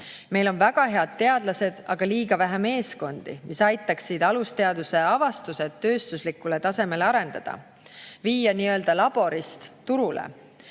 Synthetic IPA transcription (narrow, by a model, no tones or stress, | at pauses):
me̞jlo̞nvæɡ̥ɑɦe̞ɑd̪̥̚t̪ːe̞ɑd̪̥lɑse̞d̪̥ɑɡ̥ɑliːɡ̥ɑvæɦæme̞ːsko̞nd̪̥ḭmisɑjt̪ːˑɑksid̪̥ɑlust̪e̞ɑd̪̥use̞ɑvɑst̪use̞t̪ːø̞ːst̪uslikːule̞t̪ɑse̞me̞leɑɾe̞nd̪̥ɑ̰d̪̥ɑ̰ | viːjɑniːø̞ld̪̥ɑlɑb̥o̞ɾist̪t̪uɾulḛ